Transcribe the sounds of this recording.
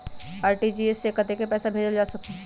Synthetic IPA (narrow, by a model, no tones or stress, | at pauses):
aːɾʈid͡ʒiesːekət̪ekepɛːsabʱeːd͡ʒəld͡ʒaːsɐk̚t̪a